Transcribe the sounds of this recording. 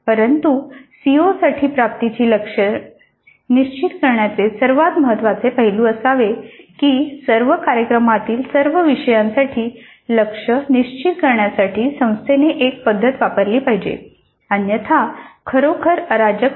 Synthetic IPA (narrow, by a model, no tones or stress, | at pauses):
pəɾənt̪usiosaʈʰiːpɾap̚t̪it͡ɕiːləkʂə | niɕt͡ɕit̪kəɾɳjat͡sesəɾʋat̪məɦət̪ːʋat͡sepaɦiluəsaʋekisəɾʋəkaɾjəkɾəmat̪iːlsəɾʋəʋiʂəjãnsaʈʰiː | ləkʂəniɕt͡ɕit̪kəɾɳjasaʈʰiːsə̃w̃st̪ʰeneʔek̚pəd̪ʱːət̪ʋapəɾliːpaɦid͡ʑḛ | anjət̪ʰakʰəɾokʰəɾəɾad͡ʑək